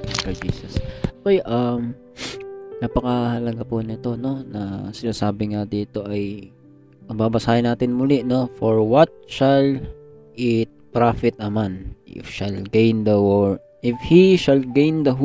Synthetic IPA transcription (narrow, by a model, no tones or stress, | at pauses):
kɐd͡ʒḭːsɐsʔokojʔɐm | naːpɐkɐhɐlɐɡaponɪt̪o̞no̞nɐsɪnaːsaːbɪŋad̪iːt̪o̞ʔɐj | ʔɐŋbaːbɐsaːʔɪnaːt̪ɪnmʊlɛʔno̞foɹwɐt̪̚ʃɐlʔɪt̪̚pɾafɪt̪̚ɐmanʔɪ̰fʃɐlɡejnd̪ɐw | ʔɪfhiʃɐlɡejnd̪ɐɦ